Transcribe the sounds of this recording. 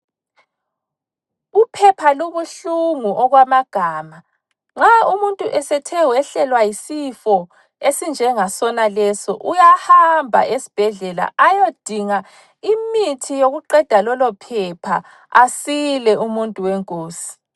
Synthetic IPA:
upʰɛpʰaluβuɬuŋuʔɔɣwamaɡ̥ʱaːma | ŋ͡ǁaumuntʼuʔɛsɛtʰɛwɛɬɛlwajisifɔ | esind͡ʒʱɛŋasɔnalɛsɔʔujahambʱa̰ʔesi̥b̥ʱɛɮɛla̰ʔajod̥ʱiŋa | imitʰijoɣuǃɛd̥ʱalɔlɔpʰɛpʰa | asilɛʔumuntʼuwɛŋkʼoːsi̥

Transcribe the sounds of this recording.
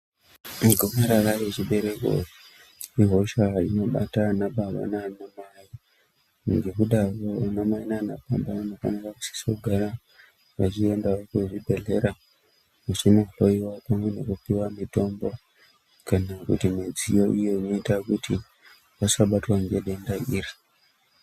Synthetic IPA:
miɡʱomaɾarajet͡ʃiɓe̞ɾe̞ko̰ | iɦo̞ʃaino̞ɓa̰tanaɓaɓa̰naːnamai | ŋɡe̞kuɗaroanamainanapambaanakanakaku̥si̥soɡʱaɾa | ʋat͡ʃie̞ndaokuʐibʱe̞ɮe̞ɾa | mut͡ʃino̞ɬo̞iwapamene̞kupiwamito̞mbo̞ | kanakṵtimid͡zijo̞ʔijo̞ino̞itakuti | wasaɓatwaŋɡe̞ɗe̞ndairi

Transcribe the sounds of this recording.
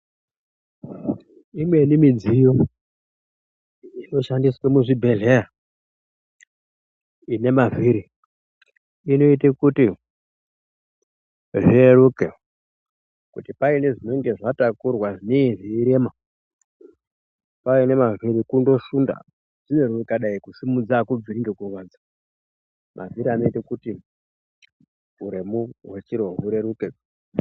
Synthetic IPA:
imwe̞nimid͡zijo | ino̞ʃandiswemuʐibʱe̞ɮera | ine̞maviɾi | ino̞itekuti | ʐierukḛ | kṵtipaine̞ʐino̞ŋɡe̞ʐatakurwaʐineiʐiiɾema | paine̞maviɾikundo̞ʃunda̰ | ʐ̥ine̞ruikaɗaikusimud͡zakub͡viɾiŋɡekurwaːd͡zḁ | mʔa̰viɾiano̞itekuti | uɾemuɦwet͡ʃiɾoɦuɾe̞ɾuke

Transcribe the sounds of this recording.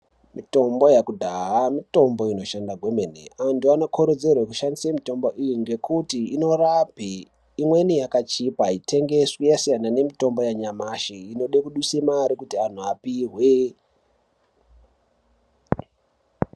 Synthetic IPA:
mito̞mbo̞jakudʱaɦamito̞mbo̞ino̞ʃandaɡʱwe̞menḛantuanokʰo̞ɾe̞d͡ze̞rwekuʃandisamito̞mbo̞ʔijiŋɡe̞kutiino̞rapiː | mwe̞nijakat͡ʃipaite̞ŋɡe̞swijasijanane̞mito̞mbo̞jaɲamaʃiino̞ɗekuɗwisemaɾikutian̤uapiɦwe

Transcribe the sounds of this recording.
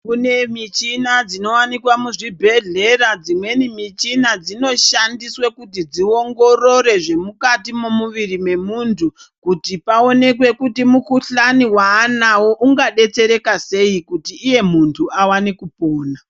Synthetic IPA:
kune̞mit͡ʃinad͡zino̞wanikwamuʐibʱe̞ɮe̞ɾad͡zimwe̞nimit͡ʃinad͡zino̞ʃandiswe̞kut̬id͡zio̞ŋɡo̞ro̞ɾe̞ʐe̞mukatimomuʋirime̞muntʰukutipao̞ne̞kwe̞kutimukuɬaniwaːnawo̞ʔuŋɡaɗe̞t͡se̞ɾe̞kase̞ikutiːje̞muntʰuawanikupoːna

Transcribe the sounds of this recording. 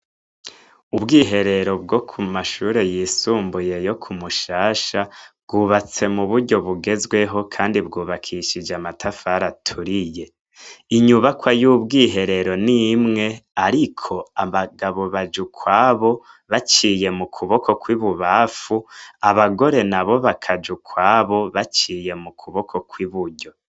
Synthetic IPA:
ubɡiːɦe̞ɾe̞ɾo̞b̚ɡo̞kʰumaʃuːɾe̞jisuːmbuje̞jo̞kʰumuʃaːʃabɡuβat͡se̞muβuɾɟo̞βuɡe̞zɡwe̞ɦo̞kʰaːndibɡuːβakʰiʃid͡ʒamatʰafaɾatʰuɾije̞ | iɲuβakwajuːbɡiːɦe̞ɾe̞ɾo̞nimŋe̞aɾikʰo̞aβaɡaβo̞βad͡ʒukʰwaːβo | βat͡ʃije̞mukʰuβo̞kʰo̞kwiβuβafuaβaɡo̞ɾe̞naβo̞βakʰad͡ʒukʰwaːβo̞βat͡ʃiːje̞mukʰuβo̞kʰo̞kwiβuɾɟo̞

